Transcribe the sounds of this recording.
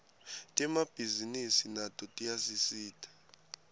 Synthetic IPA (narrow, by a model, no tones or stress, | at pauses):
tʼɛmab̥ʱizinisinatʼɔtʼijasisiːtʰʼḁ